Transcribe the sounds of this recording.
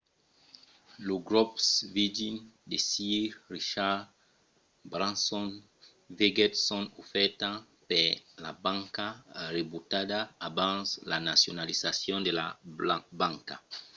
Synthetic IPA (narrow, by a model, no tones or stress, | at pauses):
loɡɾɔpsvidind̪esiɾriʃa | bɾãnsɔn | veɡɛtsɔ̃nofɛɾt̪ã | peɾla̰bãŋkarebut̪ad̪aːbãnslanasjonalizasjɔ̃nd̪elabãŋka